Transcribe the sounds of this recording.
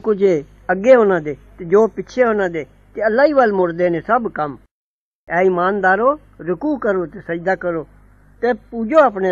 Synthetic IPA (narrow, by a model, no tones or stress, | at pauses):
kʊd͡ʒeː | əɡːeːɦoːnãːd̪eːt̪eːd͡ʒoːpɪtːʃʰeːoːnãːd̪eː | t̪eːəlːaːiːbalmʊɽd̪eːnẽːsəbkəm | ɛːimaːnd̪aːɾoː | ɾʊkuːkəɾoːt̪eːsəd͡ʒd̪aːkəɾoː | t̪eːpuːd͡ʒoːaːpneː